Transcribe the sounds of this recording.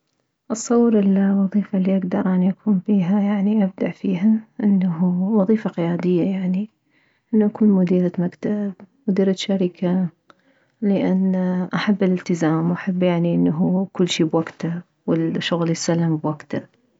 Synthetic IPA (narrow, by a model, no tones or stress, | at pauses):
ʔɨsˤːɑwːɾɪlwɑðˤiːfalːiʔaɡd̪ɑɾˤʔanʔakʰuːnbiːɦajaʕniʔab̚d̪aʔfiːɦaʔɪnːaɦuwɑðˤiːfaqɪjaːd̪ɪjːajaʕni | ʔɪnːuʔakuːnmʊd̪iːɾamakt̪abmʊd̪iːɾaʃaɾɪkʰa | lɪʔanːʔaħabːɪlɪlt̪ɪzaːmwʔaħabːjaʕniʔɪnːaɦukʊlːʃiːbwaɡt̪a | wɪlʃːʊɣljɪsalːɪmbwaɡt̪a